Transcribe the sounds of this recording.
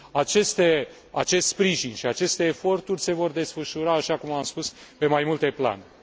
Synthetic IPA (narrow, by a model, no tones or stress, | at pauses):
at͡ʃe̞st̪e̞ | a̰t͡ʃe̞st̪spɾiʒinʃiat͡ʃe̞st̪e̞ːfo̞rt̪urʲse̞vo̞rd̪e̞sfəʃuɾaːʃakumamspuspe̞majmult̪e̞pla̰n